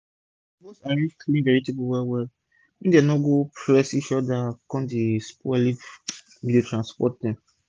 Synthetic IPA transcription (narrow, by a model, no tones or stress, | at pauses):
mosaɹĩkʰlĩnvɛɹipipuwɛlwɛl | ĩdenɔɡopɹɛsĩʃɔdakɔ̃ndespɛli | mĩdetɹãnspɔt̚dɛ̃m